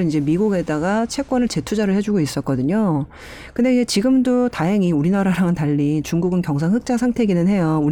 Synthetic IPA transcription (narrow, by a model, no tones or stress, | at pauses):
ind͡ʑe̞miɡuɡe̞daɡat͡ɕʰe̞k͈wʌnɯɭt͡ɕe̞tʰud͡ʑaɾɯɭhe̞d͡ʑuɡois͈ʌt̚k͈ʌdɯɲo | kɯndeiɡet͡ɕiɡɯmdotaɦeŋiuɾinaɾaɾaŋɯntaʎːit͡ɕuŋɡuɡɯnkjʌŋs̬ʰaŋɦɯk̚t͡ɕ͈asʰaŋtʰe̞ɡinɯnɦe̞jou